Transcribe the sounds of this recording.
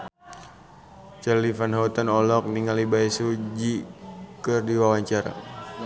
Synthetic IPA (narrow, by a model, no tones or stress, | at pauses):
t͡ʃalifanɦaut̪anɔlɔk̚niŋalibaisud͡ʒikɨrdiwawaɲt͡ʃaɾa̰